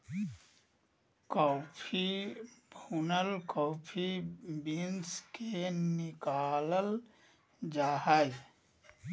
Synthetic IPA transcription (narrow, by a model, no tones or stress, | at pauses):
kɔːpʰibʱunəlkɔːpʰibinskenɪkaːləl | d͡ʒaːɦai